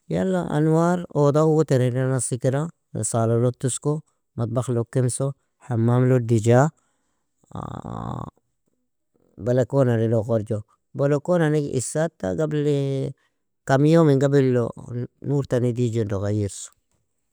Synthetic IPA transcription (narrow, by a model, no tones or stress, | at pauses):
ja̰lːa̰ʔa̰nwaːɾod̪awut̪eɾinanasikɾa̰ | salolot̪ːusko | mat̪̚baxlokːimso | ħamːamlod̪id͡ʒa | balakonaniloɣoɾd͡ʒo | bolokonaniɡḭsat̪ːa̰ɡabli | kamjomiŋɡabilːo̰nuːɾt̪anid̪id͡ʒendoɣajiɾso̥